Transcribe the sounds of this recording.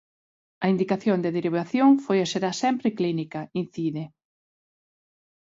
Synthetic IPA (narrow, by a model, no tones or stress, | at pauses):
ɐind̪ikaθjond̪eðeɾiβaθjoŋfojɐseɾasɛmpɾɪklinikɐin̟θiðɪ